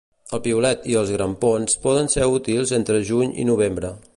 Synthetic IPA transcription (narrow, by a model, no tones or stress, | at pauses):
əlˠpiulɛt̪iəlˠzɣɾəmponspɔðənseut̪ilˠzent̪ɾəʒuɲḭnuβ̞embɾə